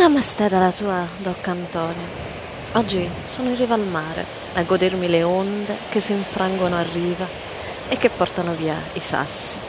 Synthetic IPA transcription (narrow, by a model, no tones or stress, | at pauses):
lamːast̪ɛd̪alat̪uːad̪ɔkːant̪ɔːnja | ɔd͡ʒːisoːnoirivalmaːɾḛ | aɡod̪ermileond̪ekesːiɱfɾʔaŋɡonoarːiːva | ekːepːɔrt̪anoviːaisa̰sːi